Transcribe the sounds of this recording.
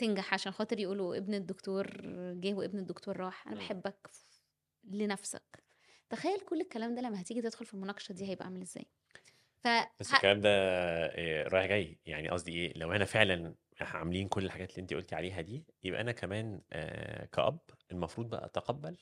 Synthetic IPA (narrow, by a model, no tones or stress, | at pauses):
t̪enɡaħʕaʃæːnxɑːt̪ˤeɾjeʔuːloʔebned̪ːokt̪oːɾɡeːhweʔebned̪ːokt̪oːɾˤːɑːħʔæ̰næbeħebːæk | lenæfsæ̰k | t̪æxæjːælkolːekːælæːmd̪æːlæmːæhæt̪iɡit̪ed̪̥xolfilmonɑːqɑ̥ʃæd̪iːhæjebʔæʔʕamælʔezːæ̰ːj | fæb̥æsːekːælæːmd̪æ | ɾˤɑːjħɡæjːja̰ʕnḭʔɑ̰sˤd̪iʔeːlæwʔænæfeʕlæn | ħʕameliːnkolːelħaɡæːt̪elːiːʔent̪iʔolt̪iʕaleːɦæd̪iːjebʔæ̰ʔænækæmæːn̰ | kæ̰ʔɑ̰bːʔelmɑfɾuːd̪̚ˤbæʔæ̰ʔt̪ɑqɑbːæl